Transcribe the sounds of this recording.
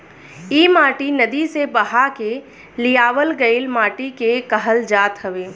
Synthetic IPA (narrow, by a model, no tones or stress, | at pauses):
iːmaːʈinɐd̪isebɐɦake | lijaːʋəlɡəɪlmaːʈikekəɦəld͡ʒaːt̪ɦəʋeː